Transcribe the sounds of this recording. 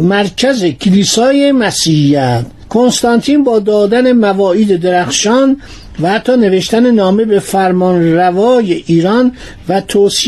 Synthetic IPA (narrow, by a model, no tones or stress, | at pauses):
mæɾcʰæzecʰiliːsɒːjemæsiːhijæt̪ʰ | kʰo̞nst̪ɑnt̪ʰiːnbɒːd̪ɒːd̪æne̞mævɒːiːd̪ed̪eɾæxʃɒːn | væhæt̪ʰːɒːne̞ve̞ʃt̪ænenɒːme̞be̞fæɾmɒnɾævɒːjeʔiːɾɒn | væt̪ʰoːsi